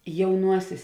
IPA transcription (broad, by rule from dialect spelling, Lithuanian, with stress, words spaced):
jɛʊˈnuɔsʲeːs